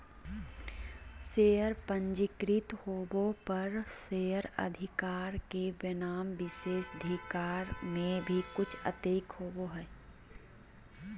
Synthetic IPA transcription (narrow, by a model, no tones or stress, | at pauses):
seːjəɾpə̃ɲd͡ʒɪkɾɪt̪hoːbõpəɾseːəɾə̰d̪ʱɪkaːɾkeʋɪnaːmʋɪseːsd̪ʱikaːɾmẽbʱikʊt͡ʃʰə̰t̪eːkɦoːboɦɛː